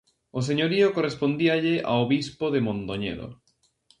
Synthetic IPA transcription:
os̬eɲoɾiokorespond̪iaʎɪʔa̰oβispoðemõnt̪oɲḛɾo̰

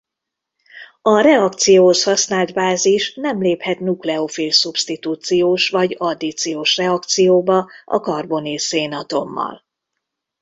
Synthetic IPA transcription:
ɒɾɛɒkt̪sijoːoshɒsnaːld̪baːziʃnɛmleːphɛt̪nuklɛofiːlsupst̪it̪uːt̪sijoːʃvɒɟɒd̪it̪sijoːʃrɛɒk̚t̪sijoːbɒʔɒ̰kɒrbo̞niseːnɒt̪o̞mːɒ̰l

